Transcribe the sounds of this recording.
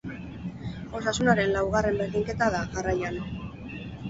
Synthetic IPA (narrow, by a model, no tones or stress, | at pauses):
o̞sasunaɾe̞nlawɣ̞are̞mbe̞ɾðiŋke̞t̪aðaɣarajan